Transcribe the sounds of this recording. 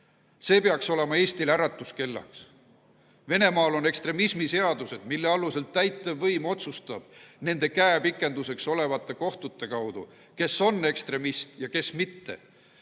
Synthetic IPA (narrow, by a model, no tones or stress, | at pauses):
se̞ːpeɑkso̞le̞mɑe̞ːst̪ilæɾɑt̪ːˑuske̞lːɑ̰ks | ve̞ne̞mɑːlo̞ne̞kst̪ɾe̞mismise̞ɑd̪use̞d̪̥milːeɑluse̞lt̪ːæjt̪ˑːevːɤjmo̞t̪sust̪ɑb̥ne̞nd̪̥e̞kæepikːˑe̞nd̪use̞kso̞le̞vɑt̪ˑːe̞ko̞ht̪ut̪ːe̞kɑwd̪ṵ | ke̞so̞nːe̞kst̪ɾe̞mist̪jɑke̞smit̪ːe̞̰